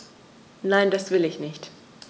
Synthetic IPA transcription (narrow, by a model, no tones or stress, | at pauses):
naɪndasv̥ɪlɪçnɪçt